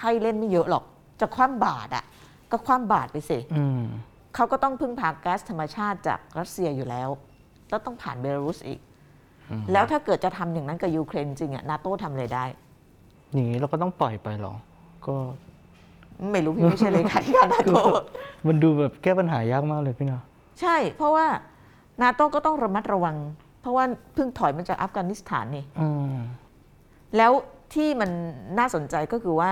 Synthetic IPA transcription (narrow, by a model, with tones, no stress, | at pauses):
kʰa˧˩jle˥˩nma˥˩jɤ˦˥ʔlɔ˨˩k̚ | t͡ɕaː˨˩kʰwaː˥˨mbaː˨˩t̪̚ʔa̰˨˩ | kɔː˥˩kʰwaː˧˥˩mbaː˨˩t̪̚pa˧jsi˨˩ʔɯ˧m | kʰa˦˥wkɔː˥˩t̪ɔ˥˩ŋpʰɯ˥˩ŋpʰaː˧kːɛː˦˥st̪ʰa˧mːa˧t͡ɕʰaː˥˩t̪̚t͡ɕa̰ː˨˩k̚ɾa˦˥t̪̚si˧ɐjuː˨˩lɛː˦˥w | lɛː˦˥˩t̪ɔ˥˩ŋpʰa̰ː˨˩nbwe˧laː˧ɾuː˦˥sʔḭː˨˩k̚ː | lɛː˦˥wt̪ʰaː˥˩kɤː˨˩t̪̚t͡ɕa˨˩t̪ʰa˧mja˨˩ŋna˦˥nka˨˩juː˧kʰɾeː˧n˧t͡ɕi˧ŋʔa̰˨˩naː˦˥t̪oː˥˩t̪ʰa˧mʔa˧ɾa˧jdaː˥˩j | niː˨˦ɛ˧wkɔː˥˩t̪ɔ˥˩ŋp̪ɔ˨˩jpa˧jlɔ̰ː˨˩˦k | kɔː˥˩ | ma˥˩jɾuː˦˥pʰːa˥˩laː˧kʰa˨˩˦kʰaː˥˩naː˧˦toː˥˩˧ma˧nduː˧bɛː˨˩p̚kɛː˥˩pa˧nɦaː˩˦jaː˦˥˩k̚maː˥˩k̚lɤː˧jpʰiː˦˥˩nɔ˦ | t͡ɕʰa˥˩jpʰɾɔ˦˥waː˥˩ | naː˧˥t̪oː˥˩kɔː˥˩t̪ɔ˥˩ŋɾa˧ma˦˥t̪̚ɾa˧wa˧ŋ | pʰɾɔ˦˥waː˥˩pʰɯ˥˩ŋt̪ʰɔ˨˩˦jma˧t͡ɕaː˨˩k̚ʔaː˦˥f̚kaː˧ni˦˥st̪ʰa̰ː˩˦nːi˧˩ʔɯː˧ | lɛː˦˥wt̪ʰiː˥˩ma˧nːaː˥˩so˨˩˦nt͡ɕa˧jkɔː˥˩kʰɯː˧waː˥˩